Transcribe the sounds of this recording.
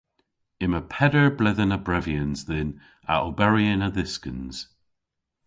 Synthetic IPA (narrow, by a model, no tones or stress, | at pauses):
ɪməpʰɛdəɹblɪðənəbɹɛviənzðɪn | a̰ʔəbɛɹiənəðɪskə̃nz̥